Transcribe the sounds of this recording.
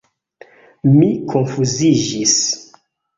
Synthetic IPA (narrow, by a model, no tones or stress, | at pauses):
mikʰonfuzid͡ʒis